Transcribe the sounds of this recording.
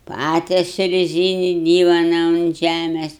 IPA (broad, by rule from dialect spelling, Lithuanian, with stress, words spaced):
ˈpɑːtʲɛsʲʊ rʲɛˈzʲiːnʲɪ ˈdʲiːʋoːnɐ ʊnt ˈʒʲæmʲeːs